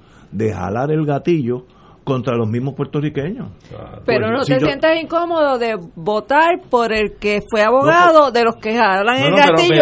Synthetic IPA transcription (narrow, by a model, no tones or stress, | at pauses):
d̪e̞ha̰laɾe̞lɣat̪iʝo | ko̞nt̪ɾalo̞ɦmizmohpwe̞ɾt̪orikeɲo̰speɾonot̪esje̞nt̪esiŋko̞mo̞ðo̞ðe̞βo̞t̪aɾpo̞ɾe̞lke̞fwe̞aβo̞ɣaðoðe̞lo̞skehalaŋelɡaio